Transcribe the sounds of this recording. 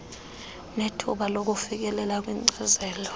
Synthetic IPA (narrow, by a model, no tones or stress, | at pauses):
netʰṵɓalok̬ʼufik̬ʼɛlɛlak̬ʼwiŋ͡ǀɛzɛːlɔ